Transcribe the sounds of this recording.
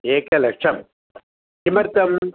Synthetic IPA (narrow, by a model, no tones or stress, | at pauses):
eːkɐlɐkʂɐm | kimɐɾt̪ɐm